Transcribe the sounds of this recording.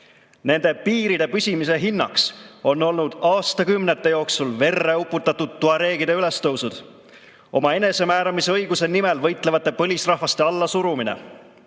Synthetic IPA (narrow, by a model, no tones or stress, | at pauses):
ne̞nd̪̥e̞piːɾid̪e̞pysʲimis̬e̞ɦinːɑ̰kso̞nːo̞lnud̪̥ɑːst̪ɑkymnet̪ːˑe̞jo̞ːksulve̞rːe̞upːˑut̪ːˑɑt̪ːud̪̥̚t̪ːuɑɾe̞ːɡ̥id̪eyle̞st̪ɤwsud̪̥ | ʔo̞mɑe̞ne̞se̞mæːɾɑmiseɤjɡ̥use̞nimelvɤ̞jt̪ˑlevɑt̪ːˑe̞pɤ̞lʲisrɑhvɑst̪e̞ɑlːɑsuɾuminḛ